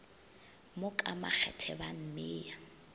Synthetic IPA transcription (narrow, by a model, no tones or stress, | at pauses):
mʊkʼama̰k͡xʰɛ̰tʰɛban̩mɪːja